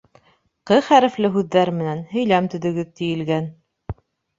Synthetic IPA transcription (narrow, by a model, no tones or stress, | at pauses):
qɤχæɾɘ̆flɘɦʉðːæɾmɘ̆nænhɵ̆jlæmt̪ɵ̆ðɵ̆ɡɘðt̪ijɘ̆lɡæn